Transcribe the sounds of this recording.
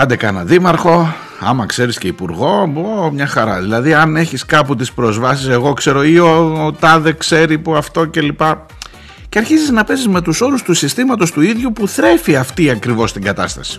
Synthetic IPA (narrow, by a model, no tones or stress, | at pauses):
ɐnd̪ekɐnɐ̰ðimɐɾxo̞ | ɐ̰mɐkse̞ɾisceipuɾɣo̞omɲɐxɐɾɐ̰ðilɐðiɐne̞çiskɐput̪ispɾo̞zvɐsise̞ɣo̞kse̞ɾo̞iot̪ɐðekse̞ɾipuɐft̪o̞ce̞lipɐ | ceɐɾçiziznɐpe̞zizme̞t̪uso̞ɾust̪usist̪imɐt̪o̞st̪uiðʝupuθɾe̞fiɐft̪iɐkɾivo̞st̪iŋɡɐt̪ɐst̪ɐ̰si̥